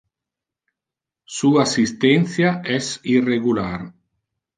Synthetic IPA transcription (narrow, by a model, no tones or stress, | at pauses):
suaasist̪ɛnθjaɛsireɣulaɾ